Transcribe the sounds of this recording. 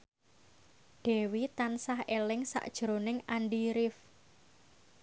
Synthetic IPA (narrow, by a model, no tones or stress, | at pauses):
ɖ̥ɛ̤wit̪ansahelɪŋsa̰ʔd̥ʒ̥ɾonɪŋanɖiɾɪf